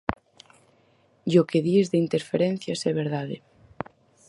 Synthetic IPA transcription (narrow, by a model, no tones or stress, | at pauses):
jokeðiezðeint̪eɾfeɾen̟θjasɛβ̞eɾðaðe